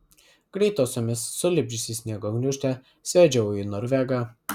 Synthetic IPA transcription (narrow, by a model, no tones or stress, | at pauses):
ɡ̥ɾʲɛɪt̪oːsʲomʲɪsːʊlʲɪbʲd͡ʒʲʊsʲɪsʲnʲiɛɡɔːɡnʲʊʃʲt̪ʲɛ | sʲʋʲæd͡ʒʲɛwinɔɾʲʋʲɛɡɑ